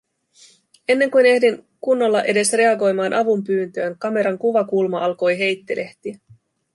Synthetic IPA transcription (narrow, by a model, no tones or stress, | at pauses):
e̞nːe̞ŋkujne̞hdiŋ | kunːo̞lːɑʔe̞de̞sre̞ɑɡo̞jmɑːnʔɑʋumpyːnt̪øːŋkɑme̞ɾɑŋkuʋɑkulmɑɑlko̞jɦe̞jt̪ːelʔe̞ht̪iæ